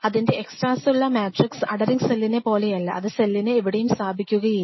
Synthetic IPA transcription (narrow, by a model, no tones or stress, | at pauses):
ɐðinde̞eksʈraːsuɭːɐmaːʈriksɐɽɐɾiŋselːinepo̞ːle̞jɐlːɐʔɐðɨse̞lːinɨːʋiɽejumsaːbʱikʲːuɣɐji